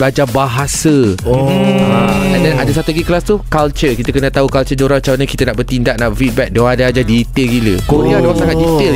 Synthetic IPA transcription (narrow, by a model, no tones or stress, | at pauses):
bad͡ʒabaɦasə | ãɛ̃ndɛnadasat̪uɡiklast̪ukalt͡ʃərkit̪əkənət̪aukalt͡ʃəd͡ʒoɾat͡ʃaaɲãkit̪ənaʔbərt̪indaʔ̚naʔfit̪̚bɛk̚doadaad͡ʒadit̪elɡiləkoɾiadoaŋsaŋat̪dit̪el